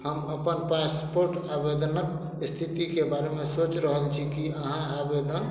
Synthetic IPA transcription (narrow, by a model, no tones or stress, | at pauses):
həməpənpaspoɾʈabed̪nək | st̪ʰit̪ikebaɾemesot͡ʃɾəɦəlt͡ʃʰikiəɦãabed̪ən